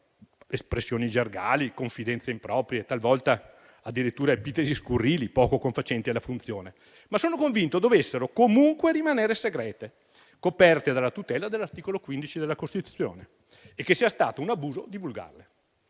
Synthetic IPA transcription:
espɾesːjoːnid͡ʒerɡa̰ːlikoɱfid̪ɛnt̪seimpɾɔːpɾjet̪alvɔlt̪a | ad̪ːiɾit̪ːuːɾaepiːt̪eziskurːiːlipɔːkokoɱfat͡ʃɛnt̪ialːafunt̪sjoːne | masːoːnokoɱvint̪od̪ovesːeɾokomuŋkweɾimaneːɾeseɡɾɛːt̪e | kopɛrt̪ed̪alːat̪ut̪ɛːlad̪elːart̪iːkolokwind̪it͡ʃid̪elːakost̪it̪ut̪sːjo̰ːneː | kːesːiːast̪aːt̪ounabuːzo̰d̪ivulɡa̰rle

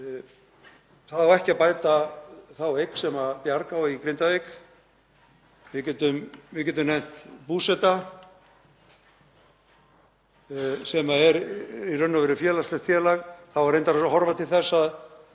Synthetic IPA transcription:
θaðaɾɛhcɪapaːjt̪aθawejksɛmapjaɾkawikɾɪnt̪avejk | vɪcɛːt̪ʏmvɪcɛːt̪ʏmnɛjn̥t̪puːsɛt̪a | sɛmaɛɾirœnːavɛɾɪfjɛːlast̪lɛxt̪fjɛːlaɣθavaɾejnt̪aɾsɦɔɾvat̪ʰɪlθɛsːað

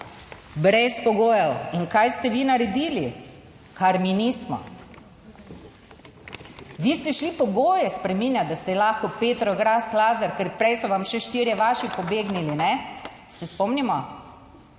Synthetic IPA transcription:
bɾɛspɔɡoːjɛwiŋkajst̪ɛʋinaɾɛd̪iːli | kaɾminiːsmɔ̰ | ʋiːst̪ɛʃlipɔɡoːjɛspɾɛmiːnjad̪ast̪ɛlaːxkɔpeːt̪ɾɔɡɾaslaːzaɾkɛɾpɾɛjsɔʋamʃɛʃt̪iɾjɛʋaːʃipɔbeːɡnilinɛ | sɛspɔmnimɔ

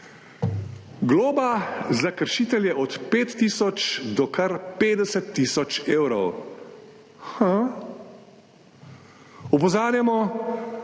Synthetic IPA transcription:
ɡloːbazakəɾʃiːt̪ɛljɛʔɔt̪peːt̪ːiːsɔt͡ʃd̪ɔkʰɐɾpeːd̪ɛsɛt̪ːisɔt͡ʃeːwɾɔw | xa | ɔpɔzaːɾjamɔ

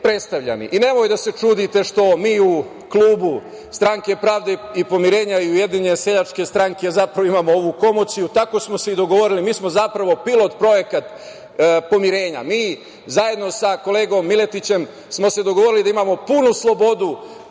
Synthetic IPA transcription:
pɾe̞t̪st̪aʋʎa̰nḭʔine̞mo̞jd̪ase̞t͡ʃuːd̪it̪e̞ʃt̪o̞miːu | kluːbu | st̪ɾaŋke̞pɾaːʋd̪e̞ipo̞miɾe̞ːɲaiuje̞d̪iɲese̞ʎat͡ʃke̞st̪ɾaŋke̞zapɾaʋoimaːmooʋuko̞mot̪sijut̪ako̞smo̞seid̪o̞ɡo̞ʋo̞ɾilimiːsmo̞zapɾaʋo̞pilˠo̞t̪pɾo̞je̞kat̪ | po̞miɾe̞ːɲa̰miː | zaje̞d̪no̞sako̞le̞ːɡo̞mːile̞t̪it͡ɕe̞m | smo̞se̞d̪o̞ɡoʋo̞ɾilid̪aimaːmo̞punuslˠo̞bo̞d̪u

